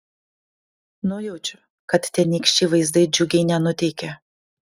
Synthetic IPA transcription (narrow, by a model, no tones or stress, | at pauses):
noːjɛʊt͡ʃʲʊ̥ | kɐt̪t̪ʲɛnʲiːkʃʲt͡ʃʲiːʋɐɪzd̪ɐɪd͡ʒʲʊɡʲɛɪnʲɛnʊt̪ʲɛɪkʲɛ